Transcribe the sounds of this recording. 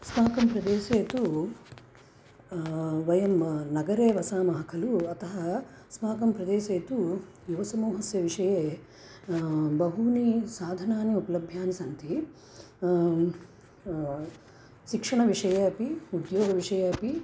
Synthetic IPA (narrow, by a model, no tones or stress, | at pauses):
smaːkɐmpɾɐd̪eːʃeːt̪u | ʋɐjɐmnɐɡɐɾeːʋɐsaːmɐɦɐkʰɐluɐt̪ɐɦɐ | smaːkɐmpɾɐd̪eːʃeːt̪u | juʋɐsɐmoːɦɐsjɐʋiʂɐjeː | bɐɦunisaːd̪ʱɐnaːniupɐlɐbʱjaːnisɐnt̪i | ʃikʂɐɳɐʋiʂɐjɐɐpiud̪joːɡɐʋiʂɐjɐɐpi